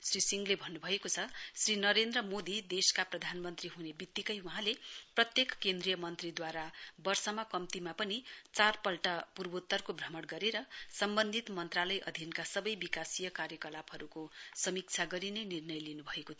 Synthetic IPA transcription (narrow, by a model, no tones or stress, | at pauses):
srisiŋɡlebʱʌnːubʱʌekot͡sʰʌsrinʌɾend̪rʌmod̪id̪eskaprʌd̪ʱanmʌnt̪riɦunebit̪ːikʌjuɦãleprʌt̪jekkend̪rijʌmʌnt̪rid̪waɾabʌrsʌmakʌmt̪imapʌnit͡sarpʌlʈʌpurbot̪ːʌrkobʱrʌmʌɽɡʌɾeɾʌsʌmbʌnd̪ʱit̪mʌnt̪ralʌjʔʌd̪ʱinkasʌbʌjbikasijʌkaɾjʌkʌlapɦʌɾukosʌmik̚t͡sʰaɡʌɾinenirnʌjlinubʱʌekot̪ʰ